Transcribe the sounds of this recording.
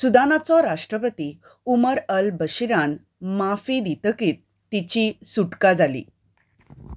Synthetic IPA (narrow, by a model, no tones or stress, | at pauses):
sud̪anat͡sɔɾaʂʈɾəpət̪i | uməɾəlbəɕiɾan | mafid̪it̪əkiːt̪ːit͡ɕisuʈkad͡zalḭ